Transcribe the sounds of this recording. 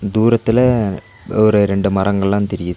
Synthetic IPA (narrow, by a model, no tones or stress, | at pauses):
d̪uːɾɐt̪ːɪlɐ | ɔɾɯɾɛɳɖɯmɐrɐŋɡɐɭlãːnt̪ɛɾɪjɐðɯ